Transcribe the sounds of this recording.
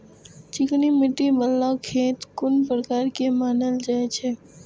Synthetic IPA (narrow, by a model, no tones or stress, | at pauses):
t͡ʃɪknimɪʈːibəlːakʰeːt̪kʊnpɾəkaːɾkemaːnəld͡ʒaːet͡ʃʰeː